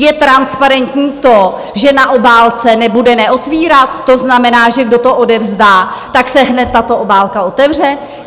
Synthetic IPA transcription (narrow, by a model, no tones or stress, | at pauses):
jɛt̪ɾanspaɾɛnt̪ɲiːt̪o̞ | ʒɛnaʔo̞baːlt͡sɛnɛbudɛnɛʔo̞t̪viːɾat̪ːo̞znamɛnaːʒɛɡdo̞t̪o̞ʔodɛvzdaːt̪aksɛɦnɛt̪ːat̪o̞ʔobaːlkao̞t̪ɛvr̝ɛ